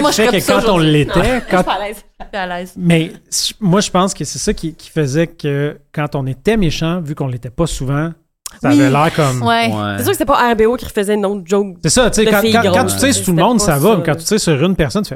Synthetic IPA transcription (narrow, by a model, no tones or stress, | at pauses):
fɛkəkɑ̃t̪ɔ̃lːet̪ɛkɑ̃lɛzalɛzmɛsmwaʒəpɑ̃skəsɛsʌkʲʰikʲʰi̥fəzɛkʲəkɑ̃t̪ɔ̃net̪ɛmeʃɑ̃vykɔ̃let̪ɛpɔsuvɑ̃ | savɛlɛːʁkɔmwɛesyːʁkəset̪ɛpɔʔɛʁbeokʲiʁfəzɛnɔ̃d͡ʒɔksɛsʌt͡sekɑ̃kɑ̃kɑ̃t̪y̥sɛst̪ulmɔ̃d̪ssavɔmɛkɑ̃t̪y̥t̪sɛsyʁynpɛʁsɔnfɛ